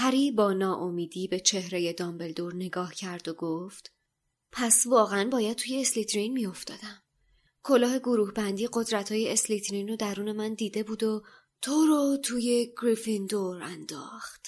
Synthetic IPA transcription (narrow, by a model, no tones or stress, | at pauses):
hæɾiːbɒːnɒːʔomiːd̪iːbe̞t͡ʃʰe̞hɾe̞jed̪ɒmbe̞ld̪oɾne̞ɡɒːhcʰæɾd̪oɡoft̪ | pʰæsvɒːɣeænbɒːjæd̪̚t̪ʰuːje̞ːslit̪ɾinmijo̞ft̪ɒːd̪æm | kʰo̞lɒːɦe̞ɡo̞ɾuːhbænd̪iːɢo̞d̪ɾæt̪ʰhɒːjeeslit̪ʰɾinod̪æɾuːne̞mænd̪iːd̪e̞buːd̪o | t̪ʰoɾot̪ʰuːje̞ɡ̥ɾifind̪oɾænd̪̥ɒ̰ːxt̪